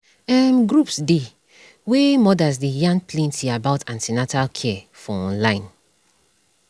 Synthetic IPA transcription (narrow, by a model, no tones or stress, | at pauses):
ɛmɡɹupsde | wemɔdazdejãŋɡplẽntʰiabaʊtãntinatalkʰɛɛfɔɔ̃nlãɪ̃n